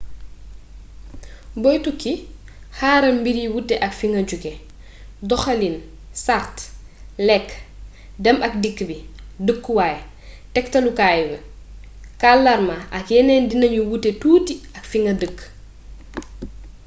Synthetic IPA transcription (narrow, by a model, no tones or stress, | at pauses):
bɔjtuki | haːɾɐmbiɾiwutːɛʔɐkfiŋɡɐɟuɡɛ | dɔxɐlin | sart | lɛkː | dɛmɐk̚dikːbidəkːwaːj | tɛktɐlukaːjuɡɐ | kalːɐɾmaʔɐkjɛnɛːndinɐɲuwutːetuːtiɐkfiŋɡɐdəkː